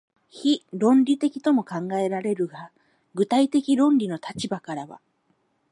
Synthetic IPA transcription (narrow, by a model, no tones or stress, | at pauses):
çiɾõ̞nɾʲit̪e̞kʲi̥t̪o̞mo̞kãŋɡae̞ɾaɾe̞ɾɯ̟ɡa | ɡɯ̟t̪ait̪e̞kʲiɾõ̞nɾʲino̞t̪at͡ɕibakaɾaβa̰